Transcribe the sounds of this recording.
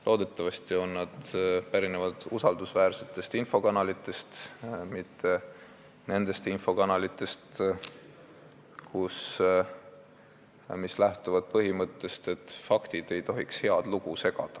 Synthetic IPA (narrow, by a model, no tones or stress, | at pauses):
lo̞ːd̪̥e̞t̪ːˑɑvɑsʲt̪io̞nːɑd̪̥pæɾinevɑd̪̥usɑld̪usvæːrse̞t̪ːˑe̞st̪info̞kɑnɑlit̪ːˑe̞st̪mit̪ʰːe̞ | ne̞nd̪̥e̞st̪info̞kɑnɑlit̪ːˑe̞st̪ | kʰus | mislæht̪uvɑd̪̥̚pɤɦimɤt̪ːe̞st̪e̞t̪ːfɑkt̪id̪̥e̞jt̪o̞ɦikshe̞ɑd̪̥luɡ̥use̞ɡ̥ɑ̰d̪̥ɑ̥